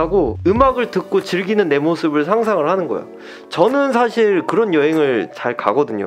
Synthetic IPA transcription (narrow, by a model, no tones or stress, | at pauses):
aɡoɯmaɡɯɭtɯk̚k͈ot͡ɕɯɭɡinɯnːe̞mosʰɯbɯɭsʰaŋs̬ʰaŋɯɭhanɯnɡʌ̰jo̰ | t͡ɕʌnɯnsʰaɕʰiɭkɯɾʌnjʌɦeŋɯɭt͡ɕaɭka̰ɡʌdɯɲo̰